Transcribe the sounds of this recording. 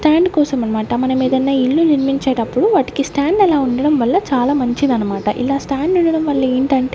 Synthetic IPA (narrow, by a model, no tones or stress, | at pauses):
ʈaːɳɖkɔːsɐmɐnɐmaːʈɐmɐnɐmiːd̪ɐnːaːilːuniɾmiɲt͡ʃeːʈɐpːuɽuʋaːʈi̥kisʈaːɳɖɛlaːuɳɖɐɽɐmʋɐlːɐt͡ʃaːlaːmɐɲt͡ʃinɐnɐmaːʈɐʔḭlaːsʈaːɳɖuɳɖɐɽɐmʋɐɭlːɐeːɳʈɐɳʈe